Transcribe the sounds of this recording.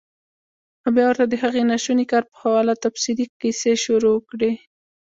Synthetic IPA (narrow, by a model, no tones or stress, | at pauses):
abjɑwəɾt̪ad̪əɦaɣenaʃunikɑɾpə̥hawɑlat̪apsid̪ikiseʃuɾowəkɽe